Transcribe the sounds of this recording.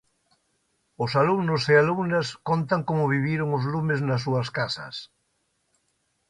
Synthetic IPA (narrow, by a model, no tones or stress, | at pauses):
ʊsalumnʊsealumnaskont̪aŋkomʊβiβ̞jeɾʊŋʊzlumɪznɐs̬ːuɐskasɐ̰s